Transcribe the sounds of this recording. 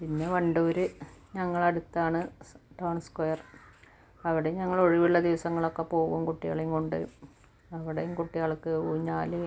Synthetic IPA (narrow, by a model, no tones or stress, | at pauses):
pinːeʋɐɳɖuoɾɨɲɐŋːɐɭɐɽut̪ːaːɳɨʈɐwɳskojɐr | ɐʋiɽe̞juɲɐŋːɐɭo̞ɻiʋiɭːɐd̪iʋɐsɐŋːɐɭo̞kːepo̞ːɣumkuʈːija̰ːɭiŋkoɳɖɨ̰ | ɐʋiɽejumkuʈːijaːɭkːɨuːɲːaːle